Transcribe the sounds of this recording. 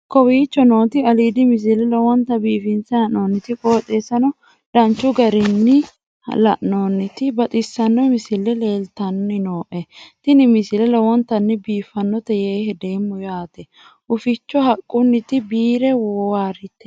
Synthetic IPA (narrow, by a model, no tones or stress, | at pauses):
kɔwiːt͡ʃːɔno̞ːt̪ɪɐliːd̪ɪmɪs̬ɪlɛlɔwɔnt̪ɐbiːfɪnsɐhɐʔnoːnːɪt̪ɪkʼoːt̪ʼeːsɐnɔ | d̥ɐnt͡ʃːʊɡɐɾɪnːɪ | lɐ̰ʔno̞ːnːɪt̪ɪbɐt̪ʼɪsːɐnːɔmɪsɪlːɛle̞ːlt̪ɐnːɪno̞ːʔɛt̪ɪnɪmɪsɪlɛlɔwɔnt̪ɐnːɪbiːfɐnːɔt̪ɛjeːhɛd̪eːmːʊjaːt̪ɛ | ʔʊfɪt͡ʃːɔɦɐkʼːʊnːɪt̪ɪbiːɾɛwɔwaːɾɪt̪ːɛ̥